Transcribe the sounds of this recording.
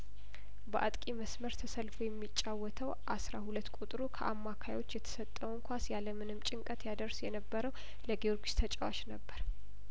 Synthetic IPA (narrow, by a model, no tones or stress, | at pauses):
bəʔat̪ʼkʼiməsməɾt̪ʰəsəlfujɛmːit͡ʃʼːawːɔt̪ʰəwʔasɾahulət̪ːkʼut̪ʼɾukʰə̰ʔamːakʰajo̞t͡ʃːjɛt̪ʰə̥sət̪ʼːəwɨŋkʰʷasjaləmɨnɨmt͡ʃʼɪŋkʼət̪jad̪əɾsjɛnəbːəɾəw | ləɡeoɾɡist̪ʰət͡ʃʼəwa̰t͡ʃnəbːəɾ